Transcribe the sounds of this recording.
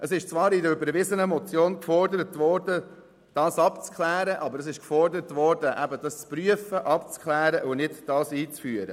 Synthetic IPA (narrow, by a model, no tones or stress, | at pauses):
ʔəsɪʃt͡svɑːɾɪdəɾybəɾvɪzənəmɔt͡sjoːnkfɔɾdəɾətvɔɾdə | d̥ɑːsɑpt͡skχlæːɾəʔɑbəɾəsɪʃkfɔrdəɾətʋɔɾd̥əʔæbədɑst͡spryəfəʔɑpt͡skχlæːɾəʔʊnɪdd̥ɑːsiːt͡sfyəɾə̰